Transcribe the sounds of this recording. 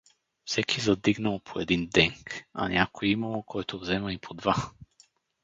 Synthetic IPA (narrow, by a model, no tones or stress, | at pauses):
fsɛkʰizɐd̪iɡnɐlˠopʰoɛd̪ind̪ɛŋka̰nʲʔakojimɐlˠokʰɔjt̪ʰovzɛmɐipʰod̪va